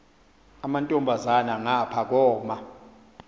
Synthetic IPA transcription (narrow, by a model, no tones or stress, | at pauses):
amantʼɔmbʱazanaŋapʰak̬ɔːma